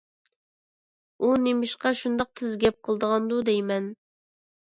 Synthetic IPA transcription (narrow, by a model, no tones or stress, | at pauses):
unemɪʃqɑʃund̪ɑq̚t̪ʰɪzɡʲɛp̚qʰəlˠd̪əʁɑnd̪ud̪ejmɛn